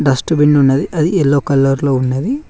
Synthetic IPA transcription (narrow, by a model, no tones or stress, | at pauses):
ɖɐsʈubiɳɖunːɐd̪iʔɐd̪iɛlːoːkɐlːɐɾloːunːɐd̪i